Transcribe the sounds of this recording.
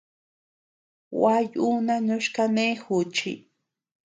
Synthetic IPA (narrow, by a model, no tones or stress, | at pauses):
wajunanʊʃkanexʊt͡ʃḭ